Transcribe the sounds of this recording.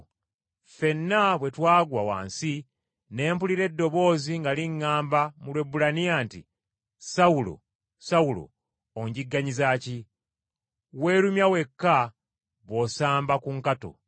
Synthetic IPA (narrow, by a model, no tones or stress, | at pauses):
fe̞nːaβwe̞twaːɡwawa̰ːnsi | ne̞ːmpuliɾe̞dːo̞βo̞ːziŋɡaliŋːaːmbamulwe̞bulanijantḭ | saulo̰ | saulo̰ | oɲɟiɡːaɲizaːci | we̞ːɾumjawe̞kːa | βwo̞saːmbakuŋkato̰